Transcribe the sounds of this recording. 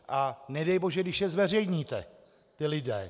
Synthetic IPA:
ʔanɛdɛjboʒɛɡdɪʃjɛzvɛr̝ɛjɲiːt̪ɛ | t̪ɪlɪdɛ̰ː

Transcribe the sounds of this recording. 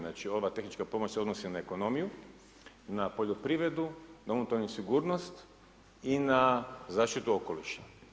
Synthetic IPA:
nat͡ʃio̞ʋat̪e̞xnit͡ʃkapo̞mo̞t͡ɕseo̞d̪nosinaeko̞no̞miju | napoʎopɾiʋɾe̞d̪ud̪omnut̪onusiɡuːɾno̞st̪ | inazaːʃt̪it̪uoko̞liʃa

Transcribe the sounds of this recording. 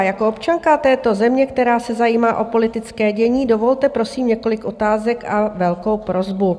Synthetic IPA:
jakoopt͡ʃaŋkat̪ɛːt̪o̞zɛmɲɛk̚t̪ɛɾaːsɛzajiːmaːʔo̞po̞lɪt̪ɪt͡skɛːɟɛɲiːdo̞vo̞lt̪ɛpɾo̞siːmɲɛko̞lɪkʔo̞t̪aːzɛkavɛlko̞wpɾo̞zbu

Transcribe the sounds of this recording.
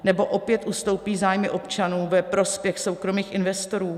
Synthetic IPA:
nɛbo̞ʔo̞pjɛt̪ʔust̪o̞wpiːzaːjmɪʔo̞pt͡ʃanuːvɛpɾo̞spjɛxso̞wkɾo̞miːxʔɪnvɛst̪o̞ɾuː

